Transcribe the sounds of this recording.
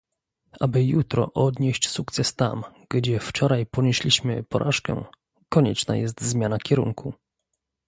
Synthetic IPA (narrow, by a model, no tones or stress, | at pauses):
ʔabɘjut̪ɾɔ̰ʔɔd̪ɲeɕt͡ɕsukt̪sɛst̪a̰mɡ̥d͡ʑɛft͡ʂɔɾajpɔɲeɕlʲiɕmɘ̰pɔɾʔaʂkɛ̰ | kɔɲɛ̰t͡ʂna̰jɛst̪zmʲjanakʲɛɾṵŋkʰu